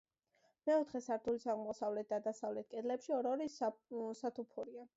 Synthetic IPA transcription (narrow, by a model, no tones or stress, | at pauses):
mɛɔt̪ʰχɛsaɾt̪ʰulisaʁmɔsavlɛt̪̚ʰd̪ad̪asavlɛt̪̚ʰkʼɛd̪lɛpʃiɔɾɔɾissat̪ʰupʰuɾia